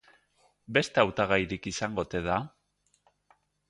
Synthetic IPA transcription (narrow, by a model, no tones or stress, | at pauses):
be̞st̪eawt̪aɣajɾikisaŋɡo̞t̪e̞ða